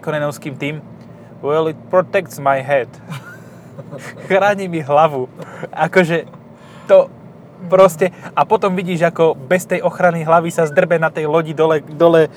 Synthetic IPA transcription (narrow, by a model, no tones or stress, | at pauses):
kɔnɛnɔʊskiːmt̪iːm | wɛlit̪̚pɾɔt̪ɛk̚t̪smajɦɛd̪ | xɾaːɲimiɦlaʋuʔakɔʒɛ | t̪ɔ | pɾɔscɛapɔt̪ɔmʋiɟiːʒakɔbɛst̪ɛjʔɔxɾaniɦlaʋisazd̪r̩bɛnat̪ɛjlɔɟid̪ɔlɛd̪ɔlɛ